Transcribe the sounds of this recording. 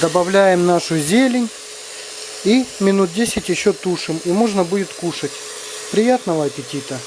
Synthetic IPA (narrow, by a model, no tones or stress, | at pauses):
d̪əbɐvlʲæjɪmnaʂʊzʲelʲɪnʲ | imʲɪnut̪̚dʲesʲɪtʲjɪɕːot̪uʂɨmimo̞ʐnəbudʲɪt̪kuʂətʲ | pɾʲɪjat̪nəvɐɐpʲɪtʲit̪ə